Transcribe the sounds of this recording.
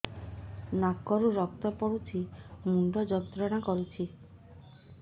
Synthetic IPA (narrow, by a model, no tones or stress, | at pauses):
nakːɔɾuɾɔk̚t̪ɔpɔɽut͡ʃʰimuɳɖɔd͡ʒɔt̪ɾɔnakɔɾut͡ʃʰi